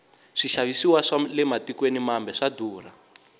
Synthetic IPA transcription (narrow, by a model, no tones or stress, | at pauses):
ʂiʃaβisiwaʂalɛmatikwenimambɛʂaduːra